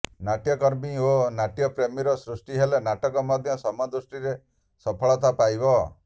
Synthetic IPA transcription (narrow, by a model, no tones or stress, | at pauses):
naʈjɔkɔɾbĩonaʈjɔpɾemiɾɔsɾusʈiɦelenaʈɔkɔmɔd̪ʱjɔsɔmɔd̪usʈiɾe | sɔpʰɔɭɔt̪apajbɔ